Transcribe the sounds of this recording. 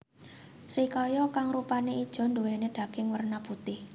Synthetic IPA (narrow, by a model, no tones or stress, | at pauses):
sɾikɔjɔkaŋrupaneid̥ʒ̥ɔ̤nd̪owɛned̪̥ä̤ɡ̥ɪŋwərnab̥ut̪ɪh